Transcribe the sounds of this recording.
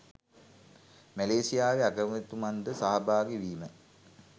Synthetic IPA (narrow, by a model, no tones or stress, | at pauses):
mæleːsijaːʋeakɾmət̪umand̪əsaɦabaːɡeʋiːmə